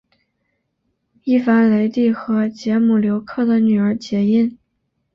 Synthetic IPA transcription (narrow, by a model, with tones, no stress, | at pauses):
i˥˩fa˧˥nle˧˥ɪt̪i˥˩xɤ˧˥t͡ɕjɛ˧˥mu˨˩ljo˧˥ʊkʰɤ˥˩d̪ə˩ny˨˩ə˞˧˥t͡ɕjɛ˧˥i˥˩n